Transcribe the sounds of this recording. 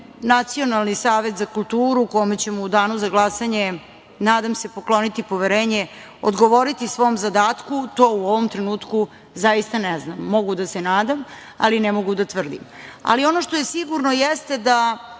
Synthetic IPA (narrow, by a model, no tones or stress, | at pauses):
nat̪sio̞nalˠnisaːʋet̪zakulˠt̪uːɾukojimet͡ɕemoud̪aːnuzaɡlˠasaɲe | naːd̪amse̞poklˠo̞nit̪ipo̞ʋeɾeːɲe | o̰d̪ɡoʋo̞ɾit̪isʋo̞mzad̪aːt̪kut̪o̞ːuoʋomt̪ɾenuːt̪ku | zajist̪aneznamːo̞ɡud̪asenaːd̪am | a̰linɛmo̞ɡud̪at̪ʋr̩d̪ḭma̰lio̞noʃt̪oje̞siɡuɾno̞jest̪e̞d̪a